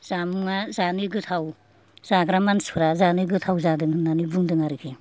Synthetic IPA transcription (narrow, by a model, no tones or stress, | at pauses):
z̥amuŋazanɯɡɯtʰaw | z̥aɡɾamansuɾazanɯɡɯtʰawzadɯŋɯnanɯbɯŋdɯŋaɾɯkʰe